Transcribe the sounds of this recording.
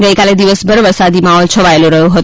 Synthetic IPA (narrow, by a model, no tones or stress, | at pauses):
ɡəjkaled̪iʋəsbəɾʋəɾsad̪imaɦɔlt͡ʃʰəʋaelũɾəɦjũɦət̪